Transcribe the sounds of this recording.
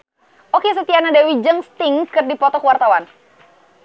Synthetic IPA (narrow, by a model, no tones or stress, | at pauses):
ʔokes̬ət̪ianadewid͡ʒəŋst̪ɪŋkɨrdipɔt̪ɔkwart̪awan